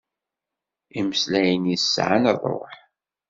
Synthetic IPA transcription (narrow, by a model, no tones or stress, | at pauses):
iməslæjənisːʕa̰nðˤo̰ħ